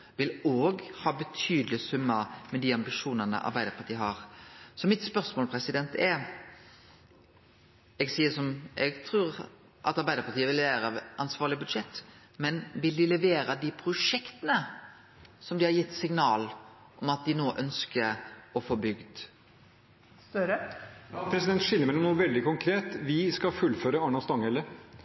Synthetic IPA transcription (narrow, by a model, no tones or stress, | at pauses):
ʋɪloːɡhɑːbət̪ʰyːd̪əlɪsʉmːəmɛd̪iːɑmbɪʃuːnənə̰ʔɑ̰ɾbæɪd̪əɾpʰɑɾt̪iːəɦɑɾsɔmɪt̪spœɾsmoːlpʰɾɛsɪd̪ɛnt̪ɛ | ɛɡsiːəsɔmʔɛɡt̪ʰɾʉːɾ | ʔɑ̰t̪ɑɾbæɪd̪əɾpʰɑɾt̪iːəʋɪlʋæːɾɑʋʔɑnsʋɑːʁɭɪəbʉd̪ʂɛt̪ː | mɛnʋɪld̪ɪlɛʋeːɾəd̪ɪpʰɾʊʂɛkt̪ənə | sɔmd̪ɪhɑɾjɪt̪ːsɪŋnɑːl | ʔɔmɑt̪̚d̪ɪnoːʔœnskəɔfɔbʏɡd̪ | ɾəpʰɾɛsɪd̪ɛnt̪ʂɪlːəɾmæɪɔmnuːəʋɛld̪ɪkʊŋkʰɾeːt̪ʋɪskɑfʉlːføːɾəɑɳɑst̪ɑŋɛlːə